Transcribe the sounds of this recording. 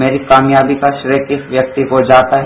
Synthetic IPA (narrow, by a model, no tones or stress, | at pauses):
eːɾikaːmjaːbikaʃɾəkɪsʋjɐk̚t̪ikod͡ʒaːt̪aɦ